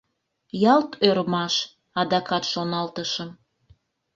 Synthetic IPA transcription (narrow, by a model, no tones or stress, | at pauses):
jɑlt̪ʰøɾmɑʃ | ɑd̪ɑkɑt̪ʃonɑlt̪əʃəm